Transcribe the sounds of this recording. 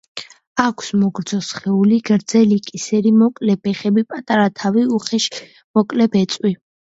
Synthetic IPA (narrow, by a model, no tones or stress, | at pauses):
akʷʰsmɔɡɾd̪zɔsχɛuliɡɾd̪zɛlikʼisɛɾimɔkʼlɛbɛχɛbipʼat̪ʼaɾat̪ʰaviuχɛʃ | mɔkʼlɛbɛt̪sʼwi